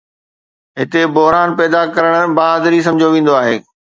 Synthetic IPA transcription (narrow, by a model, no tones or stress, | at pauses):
ɦɪt̪ebʊɦɾaːnpɛːd̪akɐɾəɽ̃baːd̪ɾis̬ɐ̃md͡ʑʱjoʋẽːn̆d̪oaːɦeː